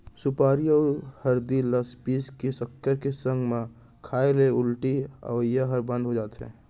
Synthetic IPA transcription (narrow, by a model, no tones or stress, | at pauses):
sʊpaːɾijahəɾd̪iləspiːskesəkːəɾkesə̃ŋɡmẽ | kʰaːeleʊlʈiə̰ʋəjːaɦəɾbə̃nd̪ɦod͡ʒaːt̪ɦɛ̰̃ː